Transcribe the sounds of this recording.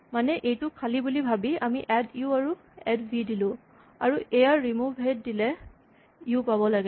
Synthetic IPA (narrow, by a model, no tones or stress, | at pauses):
manɛʔejtʊkʰalibulibʱabiamiʔɛtiuaɹu | ɛdbʱidilʊ̃ | a̰ɹuʔejaɹimubʱɦed̚dilɛ | iupaβɔlaɡɛ